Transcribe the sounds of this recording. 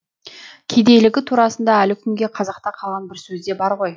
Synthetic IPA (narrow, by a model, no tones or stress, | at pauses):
kʲʰe̞d̪e̞jlɪɡʲɪt̪ʰuɾɑsənd̪ɑælɪkʲʰʏmɡʲe̞qʰɑzɑqt̪ɑqʰɑlˠʁɑnbɪɾsɵzd̪e̞bɑɾʁo̞j